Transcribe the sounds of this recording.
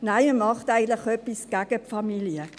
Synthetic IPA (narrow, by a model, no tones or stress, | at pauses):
naɪməmɑχtæɪɡən̩tlɪχœpisɡ̥æɡ̥əpfɑmiliə